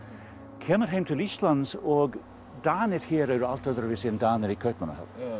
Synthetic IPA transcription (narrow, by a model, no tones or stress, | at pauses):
kʰeːməɾɦejmt̪ʰɪliːʃtlansɔːɡ | d̪aːnɪɾhiːɾəwɾalt̪əðəɾvɪsiːnd̪aːnəɾikʰœt̪mənə̰hə̰l